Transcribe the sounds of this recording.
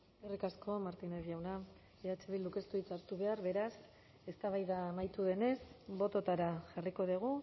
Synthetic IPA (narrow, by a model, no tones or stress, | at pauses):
erikasko̞maɾt̪ineɾjawna | eat͡ʃe̞βiluke̞st̪uit͡saɾt̪uβe̞aɾβe̞ɾas | e̞st̪aβajðaːmajt̪uðe̞ne̞sbo̞t̪o̞t̪aɾaʝariko̞ð̞iɣ̞u